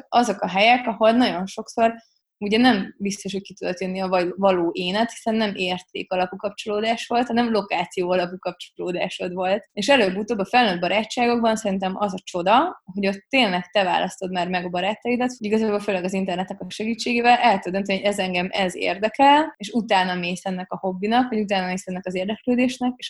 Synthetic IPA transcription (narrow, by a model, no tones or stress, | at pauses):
ɒzo̞kɒɦɛjɛkɒɦo̞lnɒɟo̞nʃo̞kso̞r | uɟɛnɛmbist̪o̞ʃho̞c̚kit̪ud̪o̞t̪jønːiɒvɒvɒloːʔeːnɛt̪hi̥sɛnːɛmʔeːrt̪ḛːkɒlɒpukɒpt͡ʃo̞loːd̪aːʃʋo̞lt̪hɒnɛmlo̞kaːt̪sijoːɒlɒpukɒp̚t͡ʃoloːd̪a̰ːʃo̞d̪vo̞lt̪eʃɛløːbut̪oːbɒfɛlnøːd̪bɒɾaːt͡ʃːaːɡo̞ɡbɒnsɛɾint̪ɛmʔɒzɒt͡ʃo̞d̪ɒho̞ɟo̞t̪ːeːnlɛkt̪ɛva̰ːlʔɒst̪o̞d̪maːrmɛɡɒbɒɾaːt̪ːɒjid̪ɒt̪iɡɒzaːbo̞lføːlɛɡɒzint̪ɛrnɛt̪ɛkɒʃɛɡiːt͡ʃːeːɡeːvɛlʔɛt̪ːud̪ønt̪ɛnioɟɛzɛŋɡɛmɛzḛːrd̪ɛkɛleʃut̪aːnɒmeːsɛnːɛkɒho̞bːinɒkʋɒɟut̪aːnɒmeːsɛnːɛkɒzeːrd̪ɛkløːd̪eːʃnɛkeʃ